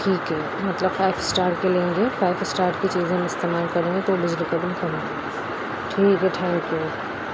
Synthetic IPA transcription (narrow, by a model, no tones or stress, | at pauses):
ʈʰiːkɦɛ | mɐt̪ləbfaːɪfɪ̥sʈaːɾʈ̚kelẽːŋɡefaːɪfɪsʈaːɾʈkit͡ʃiːzẽɦmɪst̪eːmaːlkɐɾẽːŋɡet̪obɪd͡ʒlikɐbɪlkɐɾẽː | ʈʰiːkɦɛʈʰɛ̃ːŋkːu